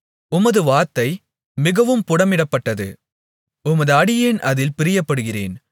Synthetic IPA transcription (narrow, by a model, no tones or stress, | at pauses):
ʊmɐðɯʋaːɾt̪ːɐɪ | mɪɣɐʋɯmpʊɽɐmɪɽɐpːɐʈːɐðɯ̰ | ʊmɐðɯɐɽɪjeːnɐðɪlpɪɾɪjɐpːɐɽɯɣɪrḛːn